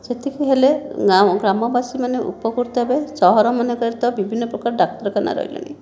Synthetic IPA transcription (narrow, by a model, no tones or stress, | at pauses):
set̪ʰikʰiɦeleaɡɾamɔbasimaneʔṵpɔkuɾt̪ɔɦebesɔɦɔɾɔmanekɔɾit̪ɔbibʱinːɔpɾɔkaɾɔɖak̚ʈɔɾɔkana̰ɾɔ̰ɦḭlɔ̰ni